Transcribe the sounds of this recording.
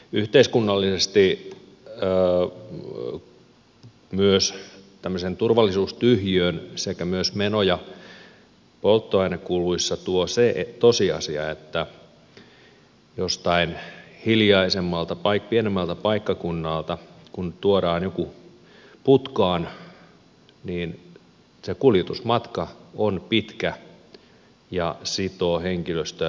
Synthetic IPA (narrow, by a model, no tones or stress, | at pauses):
yht̪eiskunːɑlːisest̪i | myøst̪æmːøsent̪urʋɑlːisuːst̪yhjøːnsekæmyøsmenojɑ | polt̪ːoɑinɑkuluisːɑt̪uoset̪osiɑ̰siɑ̰et̪ːæ | jost̪ɑinhiljɑisemːɑlt̪ɑpɑikpienemːælt̪ɑpɑikːɑkunːɑlt̪ɑkunt̪uoɾɑːnjoku | put̪kɑːn | niːn | sekuljet̪usmɑt̪kɑonpit̪kæ | jɑsit̪oːheŋkiløst̪æ